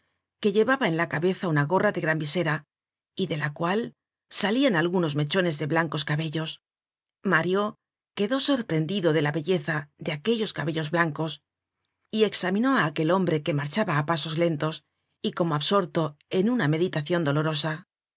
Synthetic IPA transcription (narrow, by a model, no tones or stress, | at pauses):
ke̞ʎe̞βaβae̞nlakaβe̞θaunaɣo̞raðe̞ɣɾambise̞ɾa | iðe̞lakwal | salianalɣuno̞zme̞t͡ʃo̞ne̞zðe̞βlaŋko̞skaβe̞ʎo̞s | maɾjo̞ | ke̞ðo̞so̞ɾpɾe̞nd̪iðo̞ðe̞laβe̞ʎe̞θaðe̞ake̞ʎo̞skaβe̞ʎo̞zβlaŋko̞s | ie̞ksamĩno̞aːke̞lo̞mbɾe̞ke̞maɾt͡ʃaβaːpaso̞zle̞nt̪o̞s | iko̞mo̞aβso̞ɾt̪o̞e̞nuname̞ðit̪aθjo̞nd̪o̞lo̞ɾo̞sa